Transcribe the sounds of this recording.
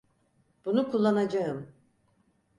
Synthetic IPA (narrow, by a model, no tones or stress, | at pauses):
b̥unukʰulˠːanad͡ʒaɯm